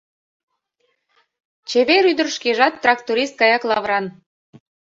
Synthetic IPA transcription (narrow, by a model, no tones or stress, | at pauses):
t͡ɕeβeɾyd̪ərʃkeʒɑt̪ːrɑkt̪uɾist̪̚kɑjɑklˠɑβɾɑn